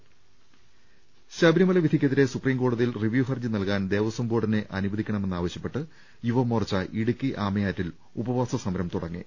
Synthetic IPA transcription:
ɕɐbɾimɐlɐʋid̪ʱikʲːɐðiɾe̞supriːmkoːɽuðilriʋjuːɦɐrd͡ʑɨnɐlkaːnd̪e̞ːʋɐsɐmboːʈːineʔɐnubɐðikʲːɐɳɐme̞nːaːʋɐɕjɐpːe̞ʈːɨ | juʋɐmorɐt͡ɕːɐʔiɽukːiʔaːmɐjaːtːil | ubɐʋaːsɐsɐmɐɾɐmt̪uɽɐŋːḭ

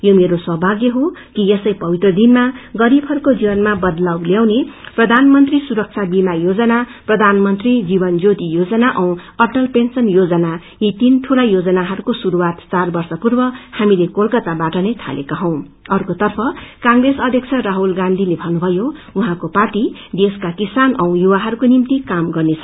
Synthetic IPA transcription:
jomeɾosʌɦbʱaɡjʌɦokijesʌjpʌbit̪rʌd̪inmaɡʌɾibʱɦʌɾukod͡zibʌnmabʌd̪lawljaw̃neprʌd̪ʱanmʌnt̪risuɾʌk̚t͡sʰabimajod͡zʌnaprʌd̪ʱanmʌnt̪rid͡zibʌnd͡zot̪ijod͡zʌnaʔʌw̃ʌrʈʌlpensʌnjod͡zʌna | jit̪inʈʰulajod͡zʌnaɦʌɾukosuɾuwat̪t͡sarbʌrsʌpurbʌhamilekolkʌt̪abaʈʌnʌjt̪ʰa̰lekaɦʌ̃w̃ | ʌrkot̪ʌrpʰʌkãŋɡresʌd̪ʱjʌk̚t͡sʰʌraɦulɡãnd̪ʱilebʱʌnːubʱʌjouɦãkoparʈid̪eskakisanʔʌw̃juwaɦʌɾukonimt̪ikamɡʌrnet͡sʰʌ

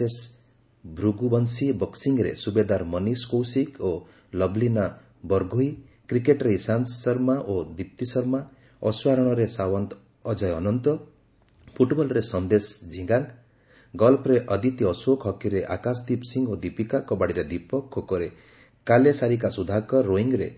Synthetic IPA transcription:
es | bʱɾuɡubɔnsibɔksiŋɡɾḛsubed̪aɾmɔniskowsiko | lɔblina | bɔɾɡʱoi | kɾikeʈɾeisansɔɾmaʔod̪ip̚t̪isɔɾma | ɔsuaɾɔɽ̃ɔɾesawɔnt̪ː | d͡ʒɔjɔnɔnt̪ɔ | pʰuʈbɔlɾesɔnd̪esd͡ʒʱĩɡaŋk | ɡɔlpʰɾeʔɔd̪it̪iɔsokɦɔkiɾeʔa̰kasd̪ipsiŋɡod̪ipikakɔbaɽiɾed̪ipɔkʰːokɔɾe | kalesaɾik̬asud̪ʱakɔɾoiŋɡɾe

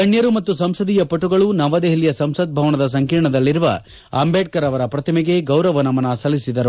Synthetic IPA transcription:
kɐɳjɐɾumɐt̪ːusɐmsɐd̪ijɐpɐʈuɡɐɭunɐʋɐd̪eɦilijɐsɐmsɐd̪̚bʱɐʋɐnɐd̪ɐs̬ɐŋkiːɾɳɐd̪ɐlːiɾuʋɐ̰ | ɐmbeːʈ̚kɐɾɐʋɐɾɐpɾɐt̪ʰɐmɛɡe̞ɡɐwɾɐʋɐnɐmɐnɐsɐlisid̪ɐɾu

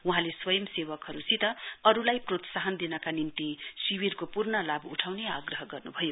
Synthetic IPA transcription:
wuɦãleswʌjʌmsewʌkɦʌɾusit̪ʌʌɾulajprot̪saɦʌnd̪inʌkanint̪isiwirkopurnʌlabuʈʰawneaɡrʌɦʌɡʌrnubʱʌjo

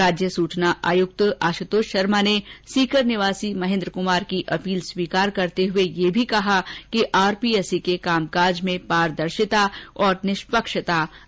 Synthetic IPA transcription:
aːd͡ʒjəsuːt͡ʃnaʔa̰ːjʊk̚t̪aːʃət̪oːʃɐɾmanesiːkəɾnɪʋaːsimɐɦɪ̃ːnd̪ɾəkʊmaːɾkiʔɐpiːlswiːkaːɾkɐɾt̪eɦʊejebʱikɐɦakiʔaːɾpiɛsikekaːmkaːɾd͡ʒmẽpaːɾd̪ɐɾʃɪt̪aɔːɾnɪʃpəkʃət̪a

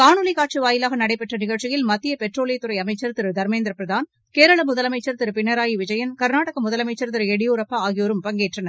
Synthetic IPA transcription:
kaːɳɯlikaːʈ̚t͡ʃɯʋaːjɪlaːɣɐnɐɽɐɪpːɐʈrɐnɪɣɐɻt͡ʃɪjɪlmɐt̪ːɪjɐpɛʈroːlejɐt̪ːʊɾɐɪɐmɐɪt͡ʃːɐɾt̪ɪɾɯd̪ɐɾmeːnd̪ɾɐpːɾɐðaːn | keːɾɐɭɐmʊðɐlɐmɐɪt͡ʃːɐɾt̪ɪɾɯpɪnːɐɾaːjiʋɪd͡ʒɐjɐnkɐɾnaːʈɐɣɐmʊðɐlɐmɐɪt͡ʃːɐɾt̪ɪɾɯɛɽɪjuːɾɐpːɐaːɣɪjoːɾɯmpɐŋɡeːʈrɐnɐɾ

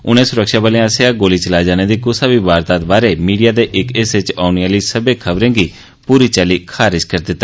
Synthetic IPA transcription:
ʊ̰nẽːsʊɾəkʃaːbaːleãːseaːɡoːliːt͡ʃəlaːid͡ʒaːneːd̪iːkʊsaːbiːbaːɾt̪aːt̪baːɾeːmiːɖijaːd̪eːʔɪkɪsɪt͡ʃaːʊnialiːsəbeːkʰəbɾẽːɡiː | puːɾiːt͡ʃaːliːkʰaːɾɪʃkəɾd̪ɪt̪ːa

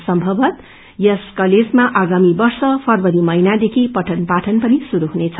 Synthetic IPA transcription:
sʌmbʱʌbʌt̪ | jʌskʌled͡zmaʔaɡamibʌrsʌpʰʌrbʌɾimʌinad̪ekʰipʌʈʰʌnpaʈʰʌnpʌnisuɾuɦunet͡sʰʌ

